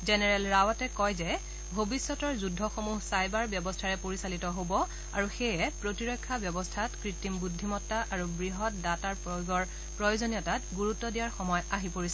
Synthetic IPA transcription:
zɛnɛɹɛlɹawatɛkɔjzɛ | bʱobisːɔtɔɹzudʱːɔxomuɦsajbaɹbjɔbɔstʰaɹɛpoɹisalitɔɦobɔ | aɹuxejɛpɹotiɹɔjkʰːabjɔbɔstʰatkɹitːimbudʱːimɔtːaʔaɹubɹiɦɔt̚dataɹpoɡɔɹ | pɹɔjozonijɔtatɡuɹutːɔdijaɹxɔmɔjaɦipoɹisɛ

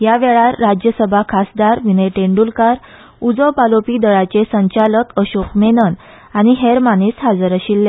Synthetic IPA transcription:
ɦjaʋɛɭaɾːad͡ʑjəsəbʱakʰasd̪aɾʋinəʈeɳɖulkaɾ | ud͡zəwpalopiːd̪əɭat͡ɕesəɲt͡ɕaləkəɕokmenən | añiɦeɾmanesɦad͡zəɾəɕilːe

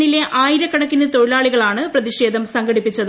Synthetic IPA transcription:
ɳile̞ʔaːjiɾɐkːɐɽɐkːinːɐt̪o̞ɻilaːɭiɣɐɭaːɳɨprɐðiɕe̞ːd̪ʱɐmsɐŋɡɐɽipːit͡ɕːɐðɨ

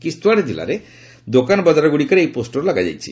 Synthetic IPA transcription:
kist̪uaɾdila̰ɾe | d̪okanbɔd͡ʒaɾɔɡuɽikaɾejposʈoɾlaɡad͡ʒa̰jt͡ʃʰi

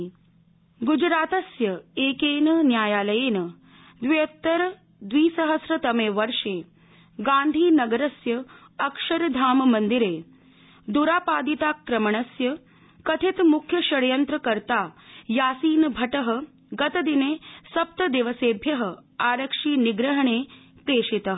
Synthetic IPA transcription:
ɡud͡ʒɾaːt̪ɐsjɐeːkeːnɐnjaːjaːlɐjeːnɐ | d̪ʋijɐt̪ːɐɾ | d̪ʋiːsɐɦəsɾɐt̪ɐmeːʋɐɾʂeː | ɡãːnd̪ʱiːnɐɡɐɾɐsjɐ | ɐkʂɐɾd̪ʱaːmɐmɐnd̪iɾeː | d̪uɾaːpaːd̪it̪aːkːɾɐmɐɳ̃ɐsjɐ | kɐt̪ʰet̪mukʰjɐɕɐɽjɐnt̪ɾəkɐɾt̪aːjaːsiːnbʱɐʈəɦə̆ | ɡɐt̪ɐd̪ineːsɐp̚t̪ɐd̪eːʋəseːbʱjɐɦə̆aːɾəkʂiːniɡɾɐɦɐɳ̃eːpɾeːʂit̪ɐɦ

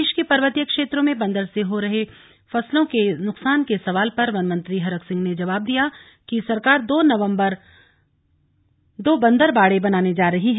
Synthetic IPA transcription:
ʃkepɐɾʋət̪ijəkʃeːt̪ɾõmẽbɐ̃nd̪əɾseɦoɾɐɦe | fɐslõkenʊqsaːnkesɐʋaːlpɐɾʋɐnmə̃nt̪ɾiɦɐɾəksɪ̃ŋɡned͡ʒɐʋaːb̚d̪ija | kisɐɾkaːɾd̪oːnɐʋə̃mbəɾ | d̪oːbɐ̃nd̪əɾbaːɽebɐnaːned͡ʒaːɾɐɦiɦɛ

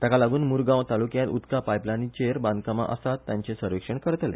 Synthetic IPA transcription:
t̪akalaɡuːnmuɾɡãwt̪alukjãt̪ut̪kapajplanit͡ɕeɾbãnd̪kəma̰ʔə̰sat̪ːjãɲt͡ɕesəɾʋikʂəɳkəɾət̪lḛ

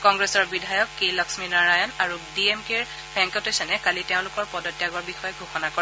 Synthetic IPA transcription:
kɔŋɡɹesɔɹbidʱajɔkːejlɔksminaɹajɔnaɹudiemkeɹ | b̥ʱɛŋkɔtosɛnɛkaliteʊ̃lʊkɔɹpɔdɔtːjaɡɔɹbixɔjɔɡʱuxɔnakɔ

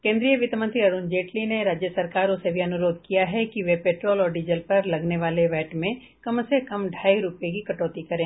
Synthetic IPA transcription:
kẽːnd̪ɾijəʋɪt̪mə̃nt̪ɾiɐɾuːnd͡ʒeːʈlineɾaːd͡ʒjəsɐɾkaːɾõsebʱiɐnʊɾoːd̪̚kijaɦɛkiʋepeːʈɾoːlɔːɾɖiːd͡ʒəlpɐɾlɐɡneʋaːleʋɛːʈmẽ | kɐmsekɐmɖʱaːiɾʊpjek̬ikɐʈɔːt̪ikɐɾẽː

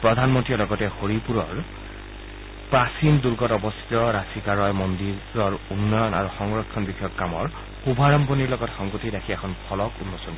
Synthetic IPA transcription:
pɹɔd̪ʱanmɔntɹiɔlɔɡɔtɛxoɹipuɹɔɹ | pɹasinduɹɡɔtɔbɔst̪ʰi̥tɔɹasikaɹɔjmondiɹɔɹunːɔjɔna̰ɹuxɔŋɹɔkʰːɔnbixʰɔjɔkːamɔɹ | xubʱaɹɔmponiɹlɔɡɔtxɔŋɡotidakʰiɛkʰɔnpʰɔlɔkunːɔsɔn

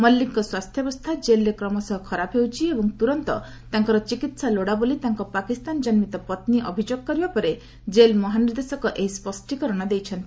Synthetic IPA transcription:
mɔlːiŋkɔswast̪ʰjɔbɔst̪ʰad͡ʒelɾekɾɔmɔsɔɦɔkʰɔɾapʰɦewt͡ʃʰiebɔŋt̪uɾɔnt̪ɔ̰ | t̪aŋkɔɾɔt͡ʃikit̪saloɽabolit̪aŋkɔpakist̪and͡ʒɔnmit̪ɔpɔt̪niʔɔbʱid͡ʒoɡ̚kɔɾibapɔɾe | d͡ʒelmɔɦanɾd̪esɔkɔʔeɦispɔsʈikɔɾɔɽ̃ɔd̪ejt͡ʃʰɔnt̪i̥

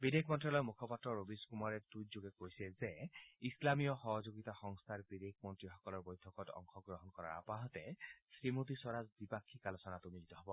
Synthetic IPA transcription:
bid̪ekʰmɔntɹalɔjmukʰɔpatɹɔɹobiskumaɹɛtuzoɡɛkoɹisiɛzɛislamijɔxɔɦɔzoɡit̪axɔŋst̪ʰaɹbid̪ekʰmɔntɹixɔkɔlɔɹbojtʰɔkɔtɔ̰ŋxʰɔɡɹɔɦɔnkɔɹa̰apaɦɔt̪ɛsɹimot̪isɔɹazbipakʰːikalosɔnat̪ʊmilit̪ɔɦɔbɔ

